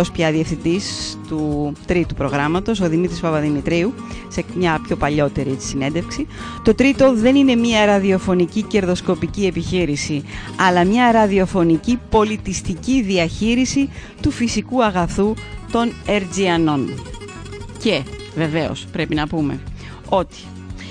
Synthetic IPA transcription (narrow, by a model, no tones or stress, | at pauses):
ospçɐðiefθind̪ist̪ut̪ɾit̪upɾo̞ɣɾɐmɐt̪o̞so̞ðimit̪ɾispɐpɐðimit̪ɾiu | se̞mɲɐpço̞pɐʎo̞t̪e̞ɾisine̞nd̪efksi | t̪o̞t̪ɾit̪o̞ðe̞nine̞mɐɾɐðio̞fo̞nicice̞ɾðo̞sko̞picie̞piçiɾisiɐlɐmɲɐɾɐðio̞fo̞nicipo̞lit̪ist̪iciðiɐçiɾisi | t̪ufisikuɐɣɐθut̪o̞ne̞ɾziɐno̞n | ce̞ | ve̞ve̞o̞̰spɾe̞pinɐpume̞̰ | o̞t̪i̥